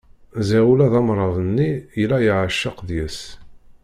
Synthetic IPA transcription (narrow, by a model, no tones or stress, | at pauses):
zæwlæðɑmɾˤɑvənːiilæjəʕəʃːəqðjəs